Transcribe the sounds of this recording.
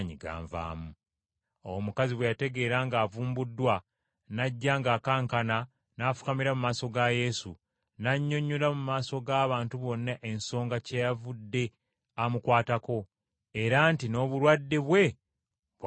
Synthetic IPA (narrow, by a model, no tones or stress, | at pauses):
ɲiɡa̰ːɱva̰ːmu | owmukaziβwejate̞ɡe̞ːɾaŋɡaːvuːmbudːwa | naɟːaːŋɡaːkaːŋkana | naːfu̥kamiɾamumaːso̞ɡaje̞su | naɲːo̞ɲːulamumaːso̞ɡaːβaːntuβo̞nːaʔe̞nso̞ːŋɡacejavudːe̞ | amukwaːtako̞ | e̞ɾantino̞ːβulwadːeβwe̞ | β